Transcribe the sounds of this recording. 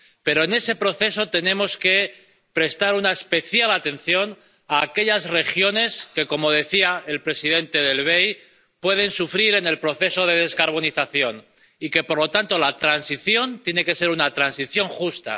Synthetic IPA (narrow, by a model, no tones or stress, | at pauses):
pe̞ɾo̞ene̞se̞pɾo̞θe̞so̞t̪e̞nẽ̞mo̞ske̞ | pɾe̞st̪aɾunaespe̞θjalat̪e̞n̟θjo̞n | aːke̞ʎazre̞xjo̞ne̞ske̞ko̞mo̞ðe̞θiae̞lpɾe̞siðe̞nt̪e̞ðe̞lβ̞e̞j | pwe̞ð̞e̞nsufɾiɾe̞ne̞lpɾo̞θe̞so̞ð̞e̞ðe̞skaɾβ̞o̞niθaθjo̞n | ike̞po̞ɾlo̞t̪ant̪o̞lat̪ɾansiθjo̞nt̪je̞ne̞ke̞se̞ɾunat̪ɾansiθjo̞ŋxust̪a̰